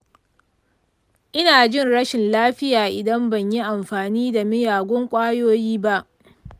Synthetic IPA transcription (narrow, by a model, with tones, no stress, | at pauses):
ʔɪ˦naː˨d͡ʒɪ˦nɽɐ˦ʃɪ˨nlaː˦ɸɪ˦jaː˨ʔɪ˨dɐ˦mbɐ˨ɲji˦ʔa˨mɸaː˨niː˦da˨mɪ˦jaː˨ɡʷɔ˦ŋkʷʼaː˦joː˦jiː˦ba˦ʔ